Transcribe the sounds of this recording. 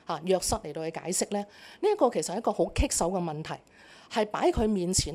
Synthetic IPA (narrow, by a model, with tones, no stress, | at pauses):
haː˨jœː˨˧k̚sɐ˧˥t̚le˨˩t̪o˧whɵ˨˧ka̰ː˨˧˥jsɪ˥k̚lɛː˥niː˥ɐ˥tkːɔː˧kʰe˨˩sɐ˨hjkɔː˧ho˨˥wkʰɪ˥k̚sɐ˨˥wkɛː˧mɐ˨nt̪ʰɐ˨˩j | hɐ˨jpa̰ː˨˥jkʰɵ˨˧ɥmiː˨nt͡sʰiː˨˩n